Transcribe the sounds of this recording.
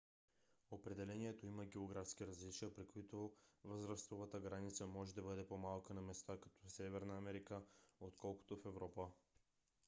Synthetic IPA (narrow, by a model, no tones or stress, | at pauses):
opɾɛd̪ɛlɛnʲiɛt̪oiməɡɛoɡɾafsk̟iɾɐzlit͡ʃiəpɾikoit̪ovəzɾast̪vovət̪əɡɾanit̪səmɔʒɛd̪ɐbɤd̪ɛpomalˠkənɐmɛst̪akɐ̥t̪ɔsɛvɛɾnəːmɛɾikəot̪kʰɔlˠko̥t̪ofɛvɾɔpə